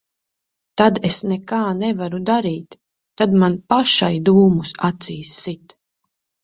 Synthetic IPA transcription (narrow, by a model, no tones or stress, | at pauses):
t̪ad̪esnekaːnɛvaɾud̪aɾiːt̪ː | ad̪manpaʃajd̪uːmusat̪siːsːit̪